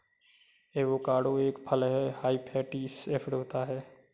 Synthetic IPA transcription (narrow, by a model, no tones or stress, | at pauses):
eːʋoːkaːɽoeːkpʰəlɦɛhaːiːpʰɛːʈiːseːpʰɽoːt̪aɦɛː